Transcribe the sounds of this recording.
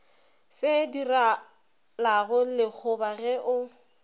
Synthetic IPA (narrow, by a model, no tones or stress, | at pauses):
sɪdira | laɣʊlɪk͡xʰʊbaɣɛʔʊ